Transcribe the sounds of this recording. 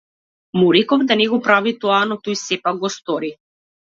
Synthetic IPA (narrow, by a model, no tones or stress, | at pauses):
muɾikɔvd̪anɛɡɔpɾavit̪ɔanɔt̪ɔjsɛpak̚ɡɔst̪ɔɾi